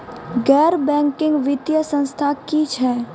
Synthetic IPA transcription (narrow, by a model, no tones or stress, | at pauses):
ɡɛːɾbɛ̃ːŋkɪ̃ŋɡʋɪt̪jəsə̃nst̪ʰakit͡ʃʰɛː